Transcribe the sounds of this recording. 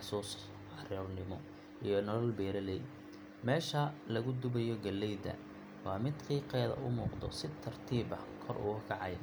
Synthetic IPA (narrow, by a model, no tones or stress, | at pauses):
ħsuːs | ɑrɛlnɪmɔ | ʔijɞnɐlɔlbɛːɾɐlɛj | mɛːʃɐlɐɣʊd̪ʊβɐjɔɡɐlːɛjd̪ɐ̰ | wɑːmɪd̪kiːqɛːðɐ̰ʔʊmuːqd̪ɔ̰sɪt̪ʰːɐrt̪ʰiːbɐ̰kʰɔrʔʊ̰ɣɐkʰɑʕɑj